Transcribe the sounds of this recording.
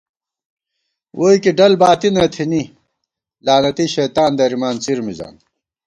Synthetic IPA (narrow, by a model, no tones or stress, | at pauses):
wʔoːikiɖɐlbaːt̪inɐt̪ʰini | laːnɐt̪iɕɐːt̪aːnd̪ɐɾimaːnt͡siɾmiza̰ːn